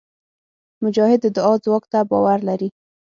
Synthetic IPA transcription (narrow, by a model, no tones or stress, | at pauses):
mʊd͡ʒɑhɪd̪ːəd̪ʊɑzwɑkt̪abɑwaɾlaɾi